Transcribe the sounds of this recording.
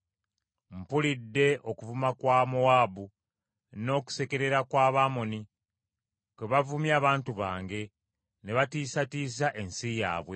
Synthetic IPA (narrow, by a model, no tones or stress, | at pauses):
m̩pulidːe̞ʔo̞kuvumakwaːmoaːbu | no̞ːku̥se̞ke̞ɾe̞ɾakwaːβaːmoni | keβavumjaːβaːntuβaːŋɡe̞ | ne̞βatiːsatiːs̬aʔe̞nsija̰ːβwe̞